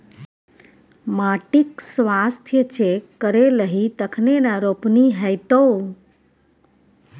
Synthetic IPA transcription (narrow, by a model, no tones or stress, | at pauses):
maʈiksʋast̪ʰjət͡ʃʰekːəɾeləɦit̪əkʰnenaɾopniɦɛjt̪ow